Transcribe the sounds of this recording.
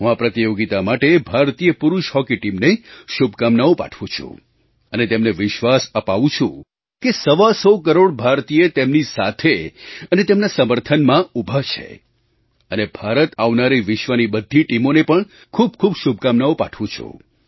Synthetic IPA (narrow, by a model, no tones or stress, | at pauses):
ɦũapɾət̪ijoɡit̪amaʈebʱaɾt̪ijəpʊɾuʃɦɔkiʈimneʃubʱkamnaopa̰ʈʰʋũt͡ʃʰṵ̃ | ənet̪emneʋɪʃʋasəpaʋũt͡ʃʰṵ̃ | kesəʋasəwk̬əɾoɽbʱaɾt̪ijet̪emnisat̪ʰeənet̪emnasəməɾt̪ʰənmãubʱat͡ʃʰḛ | ənebʱaɾət̪aʋnaɾiʋɪʃʋənibəd̪ʱːiʈimonepəɳ | kʰub̚kʰubʃub̚ʱkamnaopa̰ʈʰʋũt͡ʃʰṵ̃